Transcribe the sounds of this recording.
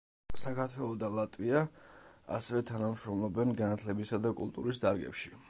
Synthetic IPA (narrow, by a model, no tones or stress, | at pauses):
sakʰaɾt̪ʰwɛlˠɔd̪alˠat̪ʼvia | a̰sɛvɛt̪ʰanamʃɾɔmlˠɔbɛnɡanat̪ʰlɛbisad̪akʼṵlˠt̪ʼṵɾisd̪aɾɡɛ̰pʃi